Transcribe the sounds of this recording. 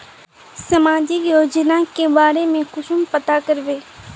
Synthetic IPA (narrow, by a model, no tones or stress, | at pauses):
səmaːd͡ʒijoːd͡ʒnakebaːɾemẽkʊʃʊmpət̪akəɾʋeː